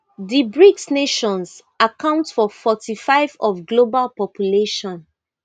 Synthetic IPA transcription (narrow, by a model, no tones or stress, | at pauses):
dibɹiksneʃɔ̃ns | akãʊ̃ntfɔfɔtifaɪvɔfɡlobalpɔpʰjuleʃɔ̃n